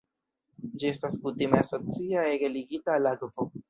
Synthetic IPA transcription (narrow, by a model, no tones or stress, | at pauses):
d͡ʒie̞staskutimeasot͡siaeɡeliɡitalaɡvo